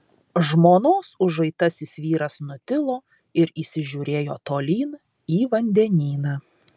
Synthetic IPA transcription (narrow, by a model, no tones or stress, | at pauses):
ʒmoːnoːsʊʒɐɪt̪ɐsɪsʲʋʲiːɾɐsnʊt̪ʲɪlˠoː | ɪɾiːsʲɪʒʲuːɾʲeːjoːt̪oːlʲiːn | iːʋɐnʲd̪ʲɛnʲiːnɑː